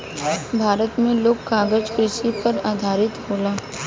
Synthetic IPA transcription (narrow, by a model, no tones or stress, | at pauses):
bʱaːɾət̪mẽloːkkːaːɡəd͡ʒkɾɪʃipɐɾaːd̪ʱaːɾɪt̪ɦoːlaː